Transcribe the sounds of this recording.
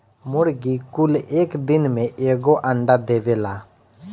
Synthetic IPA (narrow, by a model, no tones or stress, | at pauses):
mʊɽɡikʊleːkd̪ɪnmẽʔeːɡoʔə̃ɳɖad̪eːʋeːlaː